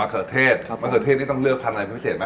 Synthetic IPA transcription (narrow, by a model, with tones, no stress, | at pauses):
a˧kʰɤː˨˩t̪ʰeː˥˩t̪̚maː˧kʰɤː˨˩t̪ʰeː˥˩t̪̚niː˥˩ɔ˥˩ŋlɯ˥˩ək̚t̪ʰa˧nʔa˧pːpʰi˦˥se˨˩t̪ma˦˥